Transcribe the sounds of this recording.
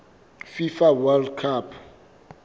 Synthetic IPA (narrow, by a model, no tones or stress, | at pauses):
fifawɛldkʰapʰ